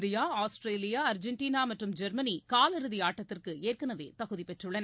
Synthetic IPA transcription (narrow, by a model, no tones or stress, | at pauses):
d̪ɪjaːaːsʈɾeːlɪjaːɐɾd͡ʒɛɳʈiːnaːmɐʈrɯmd͡ʒɛɾmɐnikaːlɪɾɯðiaːʈːɐt̪ːɪrkɯeːrkɐnɐʋḛːt̪ɐɣɯðipɛʈrɯɭːɐnɐ